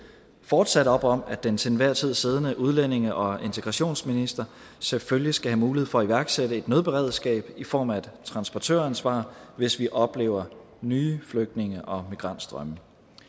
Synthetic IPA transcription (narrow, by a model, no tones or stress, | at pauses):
fɒːd̥sæɾ̥əɒ̽b̥ɒ̽mæd̥ent͡sʰenʋæɐ̰t͡sʰið̞̰ˠse̝ð̞ˠənəʔuð̞ˠlen̰e̝ŋəʔɒ̽e̝nt͡sʰe̝ɡ̥ʁɑ̈ɕo̝̰ːnsminisd̥ʁɐ | seføljisɡ̥æɦæmuːlihefɒ̽ːiʋæɐɡ̥seɾ̥əe̝d̥nøðˠb̥e̝ʁɛðˠsɡ̥ɛ̰ːb̥ifɒ̰ːmæt͡sʰʁɑ̈nsb̥ɒt͡sʰø̰ɐænsʋɑ̰̈ːʋe̝sʋiʔɒ̽b̥le̝̰ːʊɐ | nyːfløɡ̥̚d̥ne̝ŋəʔɒ̽miɡ̥ʁɑ̈n̰d̥sd̥ʁɶmə